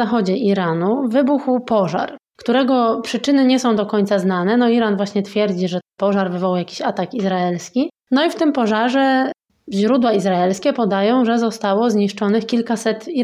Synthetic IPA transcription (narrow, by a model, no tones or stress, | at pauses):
axɔd͡ʑɛʔiɾanuvɘbuxwpɔʐa̰ɾkt̪uɾɛɡɔpʂɘt͡ʂɘnɘɲɛsɔ̃w̃d̪ɔkɔɲʲt̪sazn̪anɛnɔiɾanvwaɕɲɛt̪fʲjɛɾd͡ʑiʐɛpɔʐaɾvɘvɔwjakʲi̥ɕat̪akizɾaɛlskʲi | nɔift̪ɘmpɔʐaʐɛ | ʑɾud̪waizɾaɛlskʲɛpɔd̪ajɔ̃w̃ʐɛzɔst̪awɔzɲiʂt͡ʂɔnɘxkʲilkasɛt̪i